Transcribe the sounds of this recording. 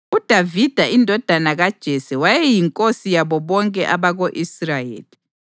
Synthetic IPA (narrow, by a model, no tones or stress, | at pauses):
ud̥ʱavid̥ʱaindʱɔd̥ʱanaɣad̥ʒ̥ʱɛsɛwajɛjiŋkʼosijaβɔβɔŋkʼɛʔaβaɣoʔisrajḛːli